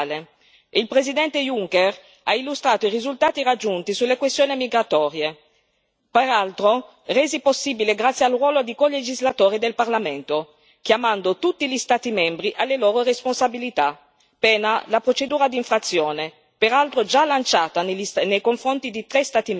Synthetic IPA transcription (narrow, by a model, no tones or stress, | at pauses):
le | ilpɾezid̪ɛnt̪ejuŋker | ailːust̪ɾaːt̪oiɾizult̪aːt̪iɾad͡ʒːunt̪isulːekwest̪joːnimiɡɾat̪ɔːɾje | peɾalt̪ɾo | rɛːziposːiːbileɡɾat̪sːjealrwɔːlod̪ikoled͡ʒizlat̪oːɾid̪elparlament̪o | kjamand̪ot̪ut̪ːiʎist̪aːt̪imɛmbɾiʔalːeloːɾoɾesponsabilit̪a | pɛːnalapɾot͡ʃed̪uːɾad̪iɱfɾat̪sːjoːne | peɾalt̪ɾod͡ʒalːant͡ʃaːt̪asnejkoɱfɾont̪id̪it̪ɾest̪aːt̪im